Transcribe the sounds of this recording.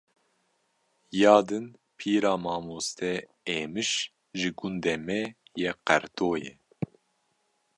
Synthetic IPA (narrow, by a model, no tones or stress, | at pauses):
jɑːd̪ɨn | pʰiːɾɑːmɑːmoːst̪ʰɛ | eːmɨʃ | ʒɨɡund̪ɛmɛjɛqɛɾt̪oːjɛ̰